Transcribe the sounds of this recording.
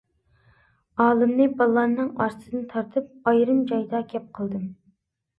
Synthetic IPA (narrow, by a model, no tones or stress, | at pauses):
ɑːlˠɨmnɨbɑlˠːɑnːɨŋɑɾsɨd̪ɨnt̪ʰɑɾt̪ʰɨp̚ɑjɾɨmd͡ʒɑjd̪ɑkʲʰɛp̚qʰəlˠd̪ɨm